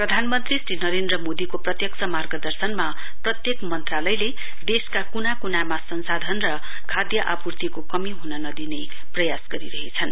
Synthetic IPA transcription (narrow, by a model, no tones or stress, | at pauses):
prʌd̪ʱanmʌnt̪risrinʌɾend̪rʌmod̪ikoprʌt̪jʌksʰʌmarɡʌd̪ʌrsʌnma | prʌt̪jekmʌnt̪ralʌjle | d̪eskakunakunamasʌnsad̪ʱʌnrʌ | kʰad̪jʌʔapurt̪ʰikokʌmiɦunʌnʌd̪ine | prʌjasɡʌɾiɾʌɦet͡sʰʌn